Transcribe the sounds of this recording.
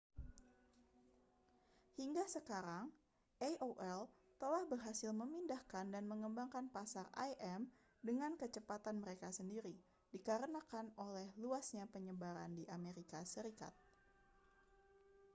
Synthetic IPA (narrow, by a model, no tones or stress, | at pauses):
hiŋɡasəkaɾaŋ | ʔɛʔoʔɛl | t̪əlahbərɦasɪlməmindahkandanməŋəmbaŋkanpasara̰jʔɛm | dəŋankət͡ʃəpat̪anməɾekasəndiɾi | dikaɾənakanolɛhluasɲapəɲəbaɾa̰ndiʔameɾikasəɾika̰t̪̚